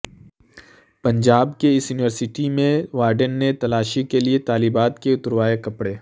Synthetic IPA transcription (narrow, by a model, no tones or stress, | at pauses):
pɐ̃ɲd͡ʒaːbkeɪsjuːniʋəɾsɪʈimẽʋaːɾɖənːet̪ɐlaːʃikeliet̪aːliːbaːt̪keʊt̪əɾwaːekɐpɽeː